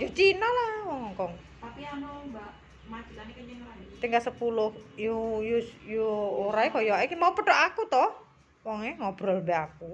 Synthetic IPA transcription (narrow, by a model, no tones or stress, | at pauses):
jɔt͡ʃinalahwɔŋɔŋkɔŋ | t̪apianɔba | mat͡ʃianikəɲaŋat̪iŋɡasəpulʊhjujujuoɾaikɔjɔʔɛkimaupəɖɔʔakut̪ɔh | wɔŋɛŋɔb̥ɾɔlbɛaku